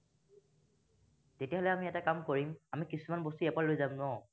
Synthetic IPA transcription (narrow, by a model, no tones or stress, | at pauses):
tetiaɦɔlɛamiɛtakamkoɹimamikisumanbostuɛpaɹlojzamnɔ